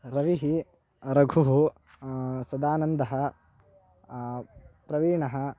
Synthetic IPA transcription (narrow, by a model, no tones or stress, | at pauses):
ɾɐʋiɦi | ɾɐɡʱuɦu | sɐd̪aːnɐnd̪ɐɦɐ | pɾɐʋiːɳɐɦɐ